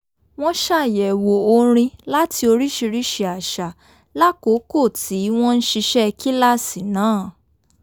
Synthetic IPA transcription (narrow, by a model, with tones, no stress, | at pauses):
w̃ɔ̃˦ʃa˦˨jɛ˨wo˨o˧ɾ̃ĩ˧la˦ti˧o˧ɾi˦ʃi˧ɾi˦ʃɛ˧a˨ʃa˨ | la˦ko˨˦ko˦˨tʰi˨˦w̃ɔ̃˦n̩˦ʃi˧ʃɛ˦˧ki˦la˦si˨nãː˨˦˨